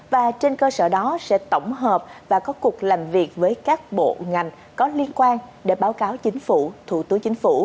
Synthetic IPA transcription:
vaː˨˩t͡ɕe˧nkəː˧sə̰ː˧˩ɗɔ˨˦sɛ̰˧˥t̪ə˧˩wŋ͡mɦəː˨˩p̚vaː˨˩kɔ˨˦ku˨˩ək̚laː˨˩mvi˨˩ək̚vəː˨˦jkaː˦˥k̚ɓo̰˧˨ŋa˨˩jŋ̟ | kɔ˨˦li˧ənkwaː˧nɗe˧˩ɓaː˨˦wkaː˨˦wt͡ɕï˨˦ŋ̟fṵ˧˩t̪ʰṵ˧˩t̪ɨ˨˦əŋt͡ɕï˨˦ŋ̟fṵ˧˩

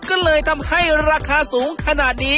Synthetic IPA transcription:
kɔː˥˩lɤː˧jt̪ʰa˧mha˥˩jɾaː˧kʰaː˧suː˩˦ŋkʰa˧naː˨˩t̪̚diː˧

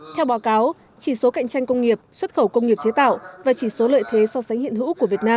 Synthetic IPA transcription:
t̪ʰɛ˧wɓaː˨˦wkaː˨˦w | t͡ɕi˧˩so˨˦ka̰˧˨jŋ̟t͡ɕa˧jŋ̟kə˧wŋ͡mŋi˨˩əp̚swə˦˥t̚xə˧˩wkə˧wŋ͡mŋi˨˩əp̚t͡ɕe˨˦t̪a̰ː˧˨wvaː˨˩t͡ɕi˧˩so˨˦lə̰ː˧˨jt̪ʰe˨˦sɔ˧sa˨˦ŋ̟hḭ˧˨ənhɨ̰˧˥ku˧˩vət̚naː˧m

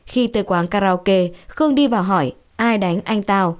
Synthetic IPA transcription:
xi˧t̪ɨ˨˩kwaː˨˦nkaː˧ɾaː˧wke˧xɨ˧əŋɗi˧vaː˨˩wɦɔ˧˩j | ʔaː˧jɗa˨˦jŋ̟ʔa˧jŋ̟t̪aː˧w

